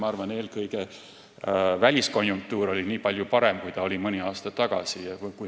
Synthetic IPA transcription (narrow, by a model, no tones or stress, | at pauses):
ɑɑrvɑne̞ːlkɤjɡ̥e̞ | vælʲisko̞njuŋk̚t̪uːɾo̞lʲiniːpɑlʲjupɑɾe̞mkujt̪ɑo̞lʲimɤnʲiɑːst̪ɑt̪ɑɡ̥ɑ̰sijɑvjkuj